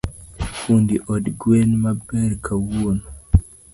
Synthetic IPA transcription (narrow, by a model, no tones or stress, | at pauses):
kundiʔɔdɡwenmabɛɾkʰawuon